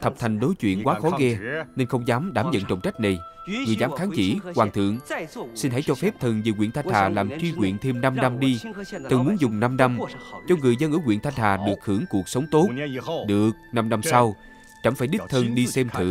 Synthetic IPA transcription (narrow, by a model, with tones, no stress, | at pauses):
t̪ʰə˨˩p̚t̪ʰa˨˩jŋ̟ɗo˨˦jt͡ɕwḭ˧˨ənkwaː˨˦xɔ˨˦ɣɛ˧ne˧nxə˧wŋ͡mzaː˨˦mɗaː˧˩mzə̰˧˨nt͡ɕə̰˧˨wŋ͡mt͡ɕa˦˥k̟̚na˨˩jŋɨ˨˩əjzaː˨˦mxaː˨˦nt͡ɕḭ˧˩kwaː˨˩ŋt̪ʰɨ̰˧˨əŋsi˧nɦa̰˧˥jt͡ɕɔ˧fɛ˦˥p̚t̪ʰɨ˨˩nziː˨˩kwḭ˧˨ənt̪ʰnt̪aː˨˩laː˨˩mt͡ɕwi˧kwḭ˧˨ənt̪ʰe˧mna˧mna˧mɗi˧t̪ʰɨ˨˩ŋmu˨˦ənzʊ˨˩ŋ͡mna˧mna˧mt͡ɕɔ˧ŋɨ˨˩əjzə˧nʔɨː˧˩ŋwḭ˧˨ənt̪ʰa˧nhʰaː˨˩ɗɨ˨˩ək̚hɨ˧˩˥əŋku˨˩ək̚sə˨˦wŋ͡mt̪o˦˥t̚ɗɨ˨˩ək̚na˧mna˧msa˧w | t͡ɕa˧˩ŋfaː˧˩jɗi˦˥k̚t̪ʰə˧nɗi˧sɛ˧mt̪ʰɨ̰˧˨